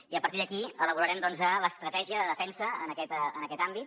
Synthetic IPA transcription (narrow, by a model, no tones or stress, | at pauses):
iəpəɾt̪iðəkiələβuɾəɾɛmd̪ɔnzələst̪ɾət̪ɛʒiəðəðəfɛnsəənəkɛt̪ənəkɛt̪ambit̪